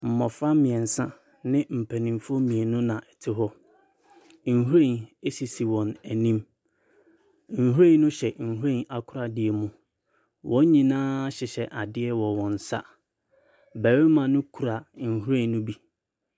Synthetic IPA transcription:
m̩˨mɔ̃˨fa˦mɪ̃˨ɛ̃˨n̩˨sã˦ | nɪ̃˦m̩˨pʰæ˨nĩ˨mfɔ˦mĩ˨e˨nʊ̃˦nã˨ʔɛ˨tʰɪ˦ɦɔ˦ | ŋ̩˨hu˦ɾẽ˦˨ne˦si˨si˨wɔ̃˨næ˨nĩ˦m | ŋ̩˨hu˦ɾẽ˦n˦nʊ̃˦ɕɛ˨ŋ̩˨hu˦ɾẽ˦na˨kʰʊ˦ɾa˨dɪ˨e˨mũ˨ | wʔɔ̃˦ɲ˦ɲĩ˨nãː˦ɕɪ˨ɕɛ˨ʔa˨dɪ˦ɛ˦wɔ˨wɔ̃˨n̩˨sa̰˦ | bɛ˨ɾɪ˦mã˨nʊ̃˦kʰu˨ɾa˨ŋ̩˨hu˦ɾɛ̃˦˨nnʊ̃˦bi˦

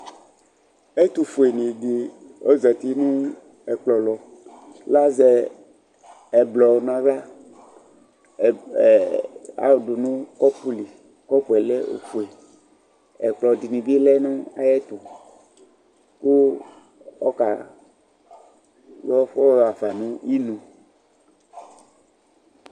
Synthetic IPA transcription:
e˦t̪u˨fu˨e˨nĩ˨di˨ | o˦zɛ˨t̪i˦nũ˦ | ɛ˨k͡plɔ˨lɔ˨ | la˦zɛ˦ | ɛ˨blɔ˨nã˨ɾa˦˨ | a̰˦o˨du˨nũ˦kɔ˦pu˦li˨ | kɔ˦pu˨ɛ˨lɛ˦o̰˨fu˨e˨ | ɛ̰˨k͡plɔ˨di˨nĩ˨bi˦e˦lɛ˦nũ˦a̰˦jɛ˦t̪o˨ | ku˦ | ɔ̰˦ka˨ | jɔ˦fɔ˦ɾa˨fa˨nũ˦i˦nũ˨

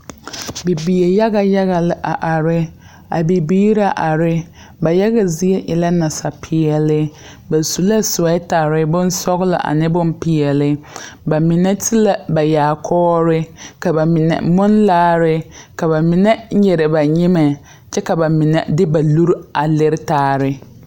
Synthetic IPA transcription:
bi˨bi˨je˨ja˦ɣa˨ja˦ɣa˨lɪ˨ʔa˨ʔa˨ɾɪ˦ | a̰˨bi˨biː˦ɾa˨ʔa˨ɾɪ˦ | ba˨ja˦ɣa˨zi˦e˦ʔɪ˨la˦na˨sa˨pʰɪ˨ɛ˨lɪ˦ | ba˨su˨la˦sʊ˨a˦ta˨ɾɪ˦bʊ˦n˦sɔ˦ɣlɪ̰˨ʔa̰˨nɪ˦bʊ˦mpi˨ɛ˨lɪ˦ba˨mɪ˨nɛ˦tʰi˦la˨ba˨jaː˨kʰɔː˦ɾɪ˦ka˨ba˨mɪ˨nɛ̰˨mʊ˦nlaː˦ɾɪ˦ka˨ba˨mɪ˨nɛ˦ɲɛ˨ɾɪ˨ba˨ɲɪ˦ma˨ | t͡ʃɛ˦ka˨ba˨mɪ˨nɛ˨dɪ˦ba˨lu˦ɾa˨lɪ˦ɾɪ˦taː˦˨ɾɪ˦

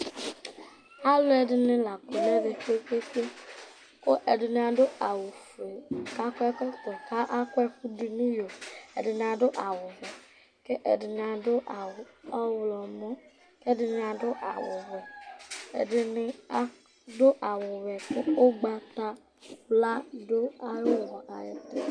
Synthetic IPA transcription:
a˦lo˦ɛ˨dɪ˨nɪ̃˨la˨ko˨ne˦ve˨k͡pe˦ke˦ke˦ | ko˦ʔe˨dɪ˨ñ˨a˨ɖo˦ʔa˨wo˨fe˨ka˦kɔ˦ɛ˦kɔ˦t̪ɔ˨ka˦ʔa˦kɔ˦ɛ˦ku˦di˨nĩ˦jo˨ḛ˨dɪ˨nɪ̃˨a˨ɖo˦ʔa˨wo˨vɛ˨ | ke˦ʔe˨di˨n˨a˨do˦ʔa˨wɔ˦wlɔ˨mɔ̃˦ | ke˦e˦dɪ˨n˨a˨do˦ʔa̰˨wo̰˨vɛ˨ḛ˨dɪ˨nɪ˨a˨ | ɖo˦ʔa˨wo˨vɛ˨ko˦o˦ɡ͡ba˨t̪a˦ | la˦ɖo˦a˨jo˦wɔ̃˨ʔa˨je˨t̪e˦

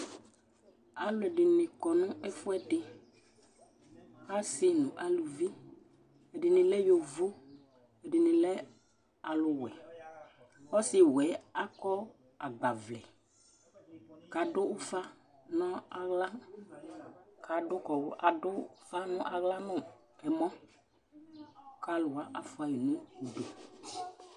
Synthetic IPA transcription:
a˨lʊ˦ɛ˨ɖɪ˨nɪ̃˨kɔ˨nʊ̃˦ɛ˦fʊ˦ɛ˦ɖɪ˨ | xa˦sɪ˦nũ˨ʔa˨lu˨vi˦ | e˨ɖɪ˨nɪ̃˨lɛ˦jo˨vu˦ | e˨ɖɪ˨nɪ̃˨lɛ˦ | a˨lʊ˨wɛ˨ | wɔ˦sɪ˨wɛ˨˦a˦kɔ˦ | a˨ɡ͡ba˨vlɛ˨ | ka˨ɖʊ˦ʊ˦fa˦ | nɔ̃˦a˨ɣla˦ | ka˨ɖʊ˦kɔ˨wʊ˦ʔa˨dʊ˦fa˦nʊ̃˦ʔa˨ɣla˦nʊ̃˦˨ | ɛ˨mɔ̃˦ | ka˦lʊ˨a˨ʔa˨fʊ˨a˨ji˨nʊ̃˦u˨ɖo˨

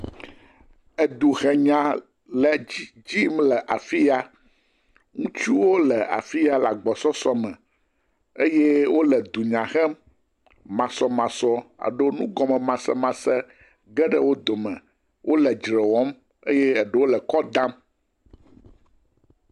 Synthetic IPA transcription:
ɛ˨d̪u˨xɛ˨ɲã˨ | lɛ˨˦d͡ʑi˦mlɛ˨ʔa˨fi˦ja˦ | ŋũ˦t͡ʃu˦wo˦lɛ˨a̰˨fi˦ja˦la˨ɡ͡bɔ˨sɔ˦sɔ˦mɛ̃˨ | e˦jɛ˦wo˦lɛ˨d̪u˨ɲã˨xɛ˦m | mã˨sɔ˦mã˨sɔ˦a̰˨ɖo˦nũ˦ɡɔ˨mɛ̃˨mã˨sɛ˦mã˨sɛ˦ | ɡɛ˦ɖɛ˦wo˦d̪o˨mɛ̰̃˨ | wʔo˦lɛ˨d͡ʒɾɛ˨wɔ˦m | ḛ˦jɛ˦ɛ˨ɖɛ˦wo˦lɛ˨kɔ˦d̪ã˦m

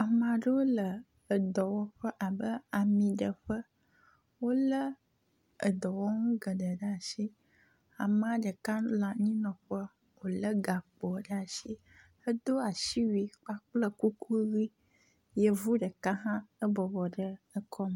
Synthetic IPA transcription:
a˨mã˨ɖə˦wo˦ləː˨ | d̪ɔ˨wɔ˦ɸə˦ʔa˨bə˦a˨mĩ˨ɖə˨ɸə˦ | wo˦lə˦ | ə˨d̪ɔ˨wɔ˦ŋũ˦ɡə˨ɖə˨ɖə˦a˨ʃi˦ | a˨mã˨ɖə˨ka˦la˨ɲĩ˦nɔ̃˨ɸə˦ | wo˨lə˦ɡa˨k͡pɔ˨ɖə˦a˨ʃi˦ | ə˦d̪o˦a˨ʃi˦wi˨k͡pa˦k͡plə˦ku˦ku˦ɣi˦ | jə˦vu˦ɖə˨ka˦ɦã˦ə˦bɔ˨bɔ˨ɖə˦ə˦kʰɔ˦m˨

